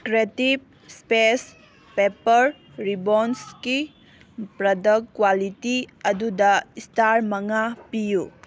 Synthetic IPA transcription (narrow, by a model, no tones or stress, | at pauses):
kɾetip̚ | spes | pepɐɾ | ɾibonski | pɾɐdɐkkːwalitiɐdudɐistaɾmɐŋapiju